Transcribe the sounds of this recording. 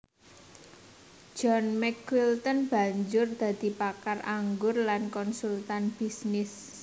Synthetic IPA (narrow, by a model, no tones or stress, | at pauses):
d͡ʒʒ̥ɔnmɛkwilt̪ɔnb̥a̤ɲd͡ʒʊrd̪̥ä̤d̪̥i̤pakarʔaŋɡʊrlankɔnsult̪anb̥isnɪs